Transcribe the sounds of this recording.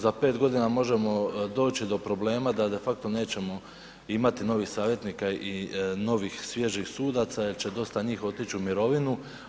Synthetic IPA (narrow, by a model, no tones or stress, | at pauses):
zape̞ːt̪ɡo̞d̪inamo̞ʒe̞mo̞d̪o̞ːt͡ɕid̪o̞pɾo̞ble̞ːmad̪ad̪e̞fak̚t̪o̞ne̞ːt͡ɕe̞mo̞ | imat̪ino̞ʋixsaːʋje̞t̪nikaino̞ʋixsʋje̞ʒixsuːd̪at̪sajeɾt͡ɕe̞d̪o̞st̪aɲiːxo̞t̪it͡ɕiumiɾo̞ʋinu